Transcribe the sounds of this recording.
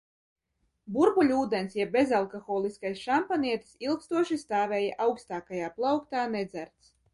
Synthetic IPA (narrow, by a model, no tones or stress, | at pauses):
buɾbulʲuːd̪ɛnsjɛbʲezalˠkɔxɔːlˠiskajsʃampaniɛt̪silˠkst̪uɔʃist̪aːvʲɛːjaʔawkst̪aːkajaːplˠawkt̪aːnɛd̪zæɾt̪s